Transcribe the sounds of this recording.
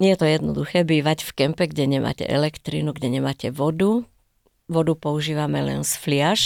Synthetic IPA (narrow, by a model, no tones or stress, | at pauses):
ɲɛjɛt̪ɔjɛd̪nɔ̰d̪uxɛːbiːʋacfkɛmpɛɡɟɛɲɛma̰ːcɛ̰ʔɛlɛkt̪ɾḭːnuɡɟɛɲɛmaːcɛʋɔd̪u | ʋɔd̪upɔuʒiːʋamɛlɛ̰nsflɪaʃ